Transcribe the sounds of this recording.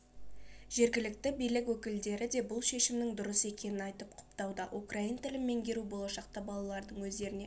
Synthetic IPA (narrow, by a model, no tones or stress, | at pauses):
ʒ̥e̞ɾɡʲɪlɪk̚t̪ɪbijlɪkwɵkʲɪld̪e̞ɾɪd̪e̞bʊlˠʃe̞ʃɪmnɪŋd̪ʊɾəse̞kʲe̞nɪnɑjt̪əp̚qʰʊ̥pt̪ɑwd̪əʔukraint̪ʰɪlɪmːe̞ŋɡʲe̞ɾubo̞lˠɑʃɑq̚t̪ɑbɑlˠɑlˠɑɾd̪əɴwɵzd̪e̞ɾɪne